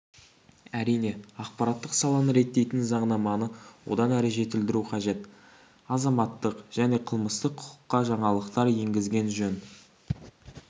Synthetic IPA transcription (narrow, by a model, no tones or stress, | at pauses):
æɾijne̞ɑq̚pɑɾɑt̪ːəqsɑlˠɑnəɾe̞t̪ːe̞jt̪ɪnzɑɴnɑmɑnəwo̞̰d̪ɑnæɾɪʒe̞t̪ɪld̪ɪɾuqʰɑʒe̞t̪ | ɑzɑmɑt̪ːəqʒ̥æne̞qʰəlˠməst̪əqʰʊ̥qʰʊ̥qːɑʒɑɴɑlˠəqt̪ɑɾje̞ŋɡʲɪzɡʲe̞nʒɵn